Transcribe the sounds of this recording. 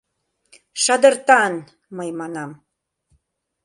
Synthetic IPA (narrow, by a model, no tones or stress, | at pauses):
ʃɑd̪ə̆rt̪ɑn | məjmɑnɑm